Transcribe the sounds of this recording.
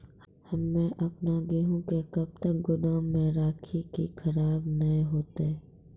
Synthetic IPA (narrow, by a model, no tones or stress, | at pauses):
hɐmːẽʔɐpnaɡɪɦõkekɐb̚t̪ək̚ɡʊd̪aːmːẽɾaːkʰikikʰɐɾaːbnɐĩɦoːt̪eː